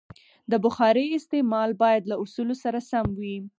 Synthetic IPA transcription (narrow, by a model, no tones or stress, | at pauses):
d̪əbʊxɑɾəɪst̪emɑlbɑjad̪lausulosaɾasamwi